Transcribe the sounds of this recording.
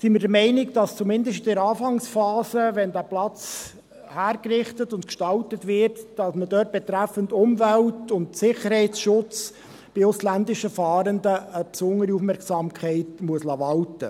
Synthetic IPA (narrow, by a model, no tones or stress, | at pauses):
simɪːdəmɛɪnɪkd̥ɑst͡sumɪndəʃtdɪɾɑːfɑŋsfɑːsəʋɛndæːplɑt͡s | hæːɾkrɪχtətʊntkʃtɑltətʋɪrtd̥ɑsmədœːt̚b̥ɛtɾæfəntʊmvæltʊntsɪχəɾhɛɪt͡sʃʊt͡s | b̥ɪʊslændɪʃəfɑːɾəndəəpsʊŋəɾiufmɛɾksɑːmkʰχɛɪtmuəslɑːvɑltə